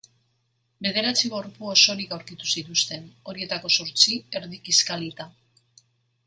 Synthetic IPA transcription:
be̞ð̞e̞ɾat͡siβo̞ɾpuoso̞ɾikawɾkit̪u̥sit̪ust̪e̞no̞ɾie̞t̪ako̞so̞ɾt͡sie̞ɾðikiskalit̪a

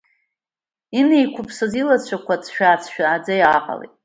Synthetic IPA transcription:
inejkʷʰʊpʰsazilat͡ɕʷʰakʷʰat͡sʰʃᶣaːt͡sʰʃᶣaːd͡zajaqʼa̰lḛtʼ

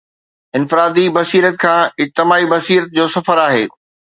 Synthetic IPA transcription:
ɪnfɪɾaːd̪ibɐsiːɾət̪̚kʰãːɪd͡ʑt̪ɪmaːibɐsiːɾət̪̚d͡ʑoːsɐfəɾaːɦḛː

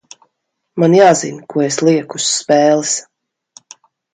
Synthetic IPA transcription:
manjaːzinkuɔeslˠiɛkusːpɛːlˠis

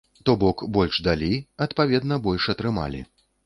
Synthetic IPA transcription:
t̪ɔbɔkbɔlʲʂd̪alʲiɐt̪pavʲɛd̪nɐbɔlʲʂɐt̪ɾɨma̰lʲḭ

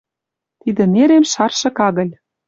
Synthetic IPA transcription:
t̪id̪ĕneɾemʃɑrʃɤ̆kɑɣɤ̆lʲ

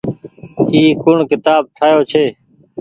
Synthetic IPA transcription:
iːkʊɳkɪt̪aːb̚ʈ̪ʰaːjoːt͡ʃʰeː

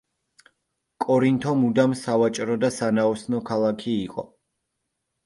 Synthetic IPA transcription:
kʼɔɾint̪ʰɔmud̪amsavat͡ʃʼɾɔd̪asanaɔsnɔkʰalˠakʰiːqʼɔ̰

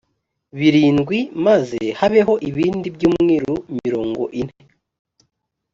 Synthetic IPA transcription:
βiɾiːnɡwimazehaβe̞ɦo̞ʔiβiːndibɟuːmŋiːɾumiɾo̞ːŋɡo̞̰ʔin̥he̞

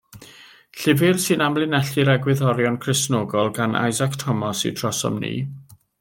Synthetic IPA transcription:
ɬɪvɪrsɨnamlˠɪnɛɬiɾɛɡwɪðɔɾjɔnkʰrɪsnoːɡɔlˠɡanʔa̰jzakʰtʰɔmɔsḭdrɔsɔ̰mnḭː

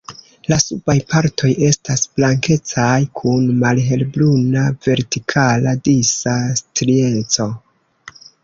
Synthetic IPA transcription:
lasubajpʰaɾtʰo̞je̞stasb̥laŋke̞t͡sajkʰunmalɦe̞lblunave̞ɾtikʰaladisastɾiet͡so̞

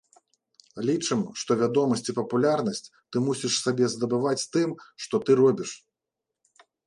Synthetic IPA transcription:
lʲit͡ʂɨmʂt̪ɔvʲad̪ɔmɐsʲt͡sʲipɐpulʲarnɐsʲt͡sʲt̪ɨmusʲiʂsabʲɛzd̪ɐbɨvat͡sʲt̪ɨmʂt̪ɔt̪ɨɾɔbʲiʂ

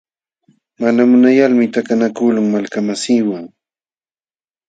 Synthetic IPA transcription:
manamʊnajalmɪt̪akanakʊlʊŋmalkamasiːwaŋ

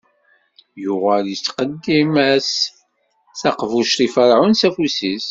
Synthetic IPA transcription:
jʊʁæljət͡sːqəd̪ːimæs | θɑqvuʃtifəɾʕʊnsæfusis

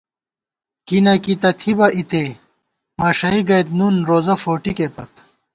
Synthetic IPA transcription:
kinɐkit̪ɐt̪ʰibɐʔit̪e | maːʂɐiɡɐjt̪̚nunɾoːzɐfoːʈikepɐt̪

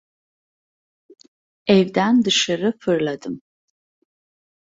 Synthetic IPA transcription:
evdandɨʂɨɾɨfʰɨrladʰʼɨm

